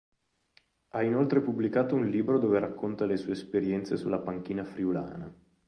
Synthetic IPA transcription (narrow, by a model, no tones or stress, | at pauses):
ainolt̪ɾepubːlikaːt̪ounliːbɾod̪oːveɾakʰːont̪alesuːeespeɾjɛnt̪sesulːapaŋk̟iːnafɾiula̰ːna̰